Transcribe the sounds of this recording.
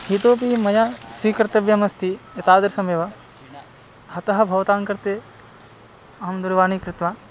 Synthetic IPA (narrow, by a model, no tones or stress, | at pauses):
hit̪oːp̬imɐjasʋikɾɐt̪ɐʋjɐmɐst̪ʰiɐt̪aːd̪ɐɾsɐmeʋɐ | hɐt̪ɐɦɐ̆bʱɐʋt̪aːŋkɐɾt̪e | ɐɦɐmd̪uɾʋaːnikɾɪt̪ʋaː